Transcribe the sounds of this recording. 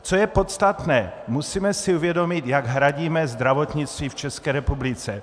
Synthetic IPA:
t͡sojɛpo̞t̪st̪at̪nɛːmusiːmɛsɪuvjɛdo̞mɪt̪jaɡɦɾaɟiːmɛzd̪ɾavo̞t̪ɲɪt͡st̪viːft͡ʃɛskɛːɾɛpublɪt͡sɛ

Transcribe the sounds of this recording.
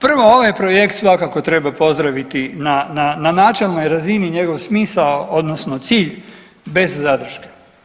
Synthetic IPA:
pr̩ʋo̞oʋajpɾojekt̪sʋakako̞t̪ɾe̞bapo̞zd̪ɾaʋit̪inanananaːt͡ʃe̞lˠnojɾaziniɲe̞ɡo̞ʋsmiːsaood̪nosno̞t̪siːʎ | be̞zːad̪r̩ʃke̥

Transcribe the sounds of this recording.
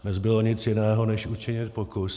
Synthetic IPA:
nɛzbɪloɲɪt͡sjɪnɛːɦo̞nɛʃut͡ʃɪɲɪt̪pokʊs

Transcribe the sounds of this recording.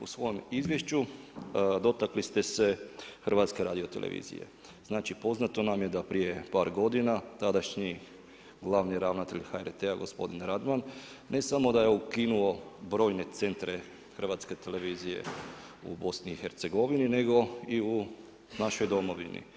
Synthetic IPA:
ṵsʋo̞jomizʋje̞ʃt͡ɕu | d̪o̞t̪aklist̪e̞se̞xr̩ʋat̪ske̞ɾaːd̪io̞t̪elʔḛʋʔḭzḭjḛ | z̥naːt͡ʃipo̞znat̪o̞namje̞d̪apɾije̞paːɾɡo̞d̪inat̪ad̪aʃɲi | ɡlˠaːʋniɾaʋnat̪e̞ʎxaeɾt̪eaɡo̞spo̞d̪inɾad̪manː | e̞samo̞d̪aje̞ukinuo̞bɾo̞ːjne̞t̪se̞nt̪ɾe̞ | xr̩ʋat̪ske̞t̪e̞le̞ʋiːzije̞̰ṵbo̞sniːxeɾt̪se̞ɡo̞ʋinine̞ɡo̞iu | naʃo̞jd̪o̞mo̞ʋḭnḭ

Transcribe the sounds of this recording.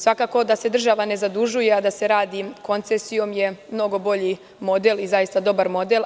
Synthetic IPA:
sʋakaːko̞d̪ase̞d̪r̩ʒaʋane̞zad̪uʒuje̞ad̪ase̞ɾaːd̪iko̞nt̪sesijo̞mjemno̞ɡo̞bo̞ʎi | mo̞d̪elizajist̪ad̪o̞baɾmo̞d̪el

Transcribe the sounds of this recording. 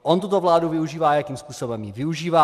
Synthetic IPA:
ʔont̪ut̪ovlaːduvɪuʒiːvaːjakiːmspuːsobɛmjɪvɪuʒiːvaː

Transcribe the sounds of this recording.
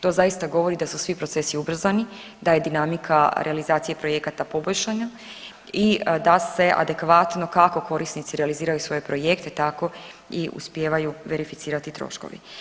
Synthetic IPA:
t̪o̞ːzajist̪aɡo̞ʋo̞ɾid̪asusʋipɾose̞siubr̩zani | d̪aje̞d̪inamikʰaɾʔealizaːt̪sije̞pɾo̞je̞kat̪apo̞bo̞ʎʲʃaɲa | id̪ase̞ʔa̰d̪e̞kʋat̪no̞kako̞kʰo̞ɾisnit̪siɾealiziːɾajusʋo̞je̞pɾo̞je̞kt̪et̪ako̞ | iʔṵspjeːʋajuʋe̞ɾifit̪siːɾat̪it̪ɾo̰ʃko̰ʋḭ

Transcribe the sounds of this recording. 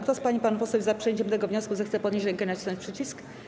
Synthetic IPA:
kt̪ɔspaɲipanupɔsɛwʲzapʂɛɲt͡ɕɛmt̪ɛɡɔvɲɔskuzɛxt̪sɛpɔd̪ɲeɕɾɛŋkɛnat͡ɕisɔ̃ɲt͡ɕʲpʂɘt͡ɕisk

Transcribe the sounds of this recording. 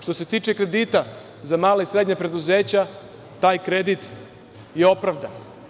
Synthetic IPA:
ʃt̪o̞se̞t̪iːt͡ʃekɾe̞d̪iːt̪a | zamaːlaisɾe̞d̪ɲapɾe̞d̪uzeːt͡ɕa | t̪aːjkɾe̞d̪it̪ | jeo̞pɾaʋd̪an

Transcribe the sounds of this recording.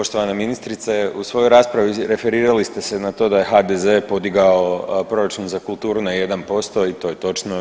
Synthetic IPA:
poʃt̪oʋanaminist̪ɾit̪seusʋo̞jojɾaːspɾaʋiɾe̞fe̞ɾiːɾalist̪e̞se̞nat̪o̞ːd̪aje̞xad̪eze̞po̞d̪iɡaopɾo̞ɾat͡ʃunzakulˠt̪uːɾunaje̞d̪anpo̞st̪o̞it̪o̞ːje̞t̪o̞t͡ʃno

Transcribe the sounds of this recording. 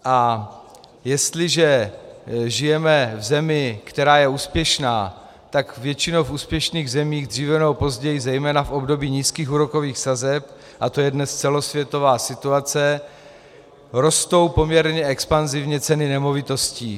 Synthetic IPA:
ʔa | jɛst̪lɪʒɛ | ʒɪjɛmɛvzɛmɪkt̪ɛɾaːjɛuːspjɛʃnaː | t̪akvjɛt͡ʃɪnowfuːspjɛʃniːɣzɛmiːɣd̪r̝̥iːvɛnowpo̞zɟɛjɪzɛjmɛːnafʔo̞bdo̞biːɲiːskiːxuːɾo̞ko̞viːxsazɛp̚ | ʔat̪o̞jɛdnɛst͡sɛlo̞svjɛt̪o̞vaːsɪt̪uat͡sɛ | ɾo̞st̪o̞wpo̞mɲɛɾɲɛɛkspanzɪvɲɛt͡sɛnɪnɛmo̞vɪt̪o̞sciː

